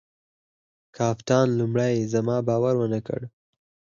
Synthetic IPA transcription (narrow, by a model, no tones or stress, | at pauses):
kʰɑft̪ɑnlumɽajzamɑbɑwaɾwənakə̰ɽ